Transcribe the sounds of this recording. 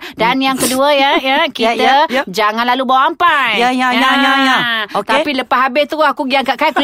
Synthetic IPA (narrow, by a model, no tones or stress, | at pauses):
danjaŋkəduəjəjkit̪əd͡ʒaŋanlalubawaampajjaajajaot̪apiləpaɦabɪt̪uakuɡiakaʔkajku